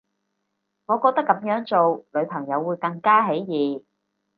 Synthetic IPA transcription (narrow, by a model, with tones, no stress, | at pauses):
ŋɔː˨˧kɔː˧k̚t̪ɐ˥kːɐ˨˥mjœː˨˥ŋt͡so˨wlɵ˨˧ɥpʰɐ˨˩ŋjɐ˨˧wːuː˨˧jkɐ˧ŋkaː˥ɦe˨˥jjiː˨˩